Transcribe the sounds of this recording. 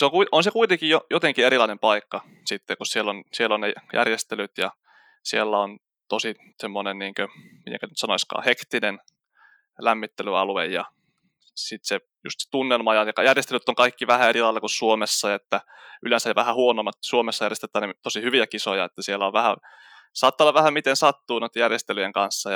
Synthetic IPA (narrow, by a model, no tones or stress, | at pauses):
seoŋkuiʔonsekuit̪eŋkijjojot̪eŋkieɾilɑinempɑikːɑ | sit̪ːekussielːonsielːonnejæ̰rjest̪elyt̪jɑ̰ | sielːæon | t̪osi | semːonenniːŋkømḭt̪ḛŋkænyt̪sɑnoiskɑ̰ːhekt̪inen | læmːit̪ːelyɑ̰luḛjjɑ | sit̪se | jṵst̪se̥t̪unːelmɑjɑjɑkɑjærjest̪elyt̪ːoŋkɑikːiʋæhæerilɑilːɑkussuomesːɑjɑet̪ːæ | ylensæjɑʋæhæhuonomːɑt̪suomesːɑjærjest̪et̪ːˑæːnet̪osihyʋiækisojɑet̪ːæsielːæoʋʋæhæ | sɑːt̪ːɑolːɑʋæhæmit̪ensɑt̪ːuːnoit̪ːjærjest̪elyjeŋkɑnsːɑjɑ